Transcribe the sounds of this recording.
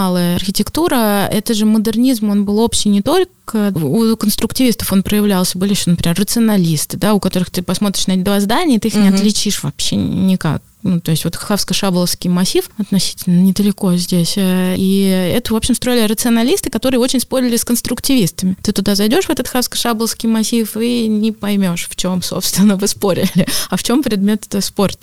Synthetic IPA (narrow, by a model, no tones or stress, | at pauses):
alˠəjəɐrxʲɪtʲɪkt̪uɾəɛt̪əʐɨməd̪ɨrnʲizmo̞nbɨlˠo̞pɕːɪjnʲɪt̪o̞lʲkəəukənst̪ɾʊktʲɪvʲist̪ə̥fo̞npɾəjɪvlʲalˠsʲəbɨlʲɪjɪɕonpɾʲɪmʲerːət̪sɨɐnɐlʲist̪ɨd̪aʊkɐt̪o̞ɾɨxt̪ɨpɐsmo̞t̪ɾʲɪʂnɐɛɪd̪vazd̪anʲɪət̪ɨixnʲɪɐt̪lʲɪt͡ɕiʂvɐpɕːḛnʲɪka̰k̚ | nut̪o̞ɪsʲtʲvo̞t̪xafskəʂablˠəfskʲɪjmɐsʲifɐt̪nɐsʲi̥tʲɪlʲnənʲɪd̪əlʲɪko̞zʲdʲesʲaiɛ̰t̪əvo̞pɕɪmst̪ɾo̞jɪlʲɪrət̪sɨɐnɐlʲist̪ɨkɐt̪o̞ɾɨəot͡ɕɪnʲspo̞ɾʲɪlʲɪskənst̪ɾʊktʲɪvʲist̪əmʲɪt̪ɨt̪ʊd̪azɐjdʲo̞ʂvɛt̪ət̪xafskə̥ʂablˠəfskʲɪjmɐsʲifinʲɪpɐjmʲo̞ʂft͡ɕo̞mso̰pst̪vʲɪnːəvɨspo̞ɾʲɪ̰lʲɪɐft͡ɕo̞mpɾʲɪd̪mʲe̞t̪əspo̞rt̪